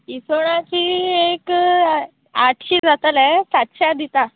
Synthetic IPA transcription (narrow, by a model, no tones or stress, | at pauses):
isoɽ̃ãt͡ɕiːek | aʈʰɕiːd͡zat̪əlɛ̃sat̪ɕad̪it̪a